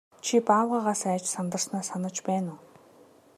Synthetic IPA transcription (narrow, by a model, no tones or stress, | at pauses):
t͡ɕʰipaːwʁaːʁaːsæːt͡ɕsant̪ə̆rsnaːsanə̆t͡ɕpæːnʊː